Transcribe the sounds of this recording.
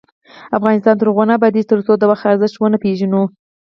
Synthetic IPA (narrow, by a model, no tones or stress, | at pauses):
afɣɑnɪst̪ɑnt̪əɾɣonɑbad̪izt̪əɾsod̪əwaxt̪aɾzəʃt̪wənəpeʒanu